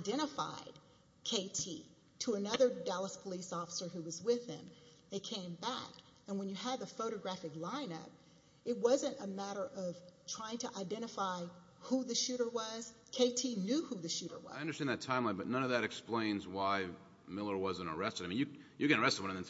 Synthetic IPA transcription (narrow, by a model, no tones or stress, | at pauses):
aɪdɛ̃ɾ̃ɨfa̰ɪd̥̚ | kʰeɪtʰḭ | ɾəːnʌðə˞dælˠəspʰəlisɔfə̥sə˞ɦuwʌzwɪð̥ɪ̰̃m | ɨkʰẽɪ̃mbæ̰k | ɨ̃nwə̃njɨəd̪əfoʊɾɨɡɹæfɨklãɪ̃nʌ̰p̚ | ɨt̚wʌzɨ̃ntəmæɾə˞ʔʌv̥tʰɹ̥aɪɪ̃ŋtʰɨʔaɪdɛ̃ɾ̃ɨfaɪ | huðɨʃʉɾə˞wʌz̥kʰeɪtʰinjʉhuðɨʃʉɾə̰˞wʌaɪʌ̃ndə˞stæ̃nðɨtʰãɪ̃mlaɪbʌtⁿnʌ̃nʌvðɨɾɨksplẽɪ̃nzwaɪ | mɪlˠə˞wʌzɨ̃ñə̰˞ɛstɨɾaɪmĩnjɨ | jɨkɨnə˞ɛstɨwʌ̃ñɨ̃nɨ̃n